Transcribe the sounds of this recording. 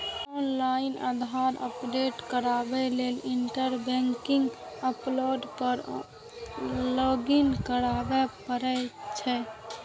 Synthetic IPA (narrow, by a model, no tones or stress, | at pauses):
ɔnlainə̰d̪ʱaɾə̰pɖeʈkəɾabɛleliɳʈəɾbɛŋkiŋɡ | əploɖpəɾ | lɔɡinkəɾabɛpəɾɛt͡ʃʰɛ